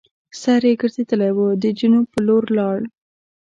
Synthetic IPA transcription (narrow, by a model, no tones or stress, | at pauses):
saɾjeɡəɾzed̪əlajwəd̪əd͡ʒinopəloɾlɑɽ